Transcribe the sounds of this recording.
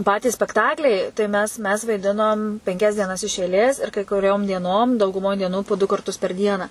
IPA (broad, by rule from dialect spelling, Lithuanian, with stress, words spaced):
ˈpɑːtʲiːs sʲpʲɛkˈtɑːklʲɛɪ tɐɪ ˈmʲɛs mʲɛs ʋɐɪˈdʲɪnoːm pʲɛŋʲˈkʲɛs dʲiɛˈnɐs ɪʃ ɛɪˈlʲeːs ɪr kɐɪ kʊˈrʲoːm dʲiɛˈnoːm dɐʊɡʊˈmoːj dʲiɛˈnuː poː dʊ kɐrˈtʊs pʲɛr ˈdʲiɛnɑː